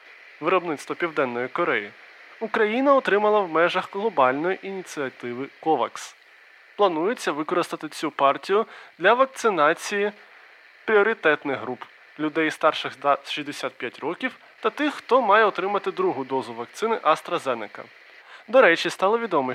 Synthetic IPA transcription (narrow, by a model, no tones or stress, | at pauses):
ʋɪɾɔbnɪt̪st̪ʋɔpʲiwd̪ɛnːɔjikɔɾɛji | ukɾɐjinɐɔt̪ɾɪmɐlˠɐwmɛʒɐxɣlˠɔbɑlʲnɔjiʔinʲit̪sɨɐt̪ɪʋɪkɔʋɐ̰ks | plˠɐnujet͡sʲːɐʋɪkɔɾɪst̪ɐt̪ɪt͡sʲupɑrtʲijʊd̪lʲɐʋɐk̚t̪sɪnɑt͡sʲiji | pɾʲiɔɾʲit̪ɛt̪nɪɣɦɾup | lʲʊd̪ɛjst̪ɑrʃɪxɐʃizʲd̪esʲat̪̚pʲjatʲrɔkʲiw | t̪ɐt̪ɪxːt̪ɔmɑjɛɔt̪ɾɪmɐt̪ɪd̪ɾuɦʊd̪ɔzʊʋɐk̚t̪sɪnɪʔɐst̪ɾɐzɛnɪkɐ̰ | d̪ɔɾɛt͡ʃʲist̪ɑlˠɔʋʲid̪ɔmɛ